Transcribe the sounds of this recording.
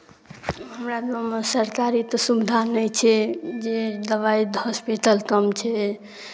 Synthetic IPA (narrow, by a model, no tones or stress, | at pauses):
ɦəmɾad̪mamesəɾkaɾit̪ɔsubid̪ʱanəjt͡ʃʰɛd͡ʒed̪əβaid̪ʱəspeʈ̪əlkəmt͡ʃʰɛ